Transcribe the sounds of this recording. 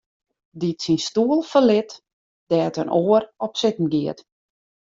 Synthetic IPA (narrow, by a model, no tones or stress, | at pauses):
ditsinstuəlˠfəlɪt | d̥ɛːtənʔoːərɔpsɪtn̩ɡiət